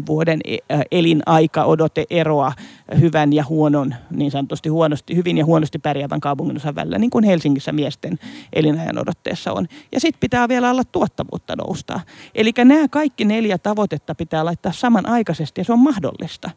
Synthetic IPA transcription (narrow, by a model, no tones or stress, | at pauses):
ʋuodenelinʔɑikɑʔodot̪eʔeroɑhyʋænjɑhuononniːnsɑnːot̪ːust̪ihuonost̪ihyʋinjɑhuonost̪ippærjæʋæ̰ŋkɑupuŋːinosɑʋʋæ̰lḭlːæ̰niːŋkunhelsiŋːisːæmiest̪enʔḛlinɑjɑ̰no̰dot̪ːḛːsːɑ̰o̰njɑ̰sit̪pit̪æːʋielæolːɑt̪t̪uot̪ːɑʋṵːt̪ːɑ̰no̰ust̪ɑ̰ːʔelikːænæːkɑikːineljæt̪ɑʋot̪et̪ːɑpit̪æːlɑit̪ːɑːssɑmɑnʔɑikɑsest̪ijɑseommɑhdo̰lːist̪ɑ